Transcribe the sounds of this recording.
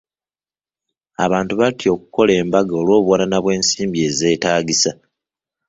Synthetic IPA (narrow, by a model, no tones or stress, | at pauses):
aβaːntuβatjo̞ːkuko̞le̞ːmbaɡaolwo̞ːβwananaβwe̞ːnsiːmbie̞ːze̞ːtaːɡisa